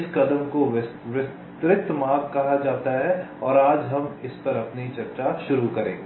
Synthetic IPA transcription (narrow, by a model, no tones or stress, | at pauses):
skɐd̪əmkoʋɪs | t̪ɾɪk̚t̪maːkkɐɦad͡ʒaːt̪aɦɛ | ɔːɾaːd͡ʒɦɐmɪspɐɾɐpnit͡ʃɐɾt͡ʃaʃʊɾukɐɾẽːɡeː